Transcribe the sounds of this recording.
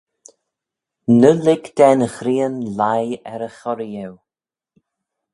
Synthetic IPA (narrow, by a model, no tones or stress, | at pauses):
nəlɪɡd̪̥ɛnəxɾiːənlajɛɾəxɔɾijɛw